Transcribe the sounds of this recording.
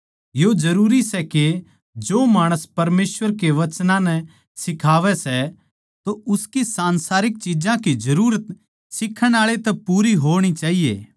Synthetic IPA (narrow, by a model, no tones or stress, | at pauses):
jod͡ʒɐɾuːɾisɛke | d͡ʒoːmaːɽ̃əspɐɾmeːsʋəɾkeʋɐt͡ʃnãnɛ | sɪkʰaːʋɛsɛ | t̪oʊskisãːnsaːɾɪk̚t͡ʃid͡ʒãkid͡ʒɐɾuːɾət̪ | sɪkʰːəɽ̃aːɭet̪ɛpuːɾiɦoːɽ̃it͡ʃaːɦijḛː